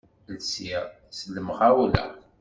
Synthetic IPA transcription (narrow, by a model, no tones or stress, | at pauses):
lsiʁ | səlːəmʁaulæ̰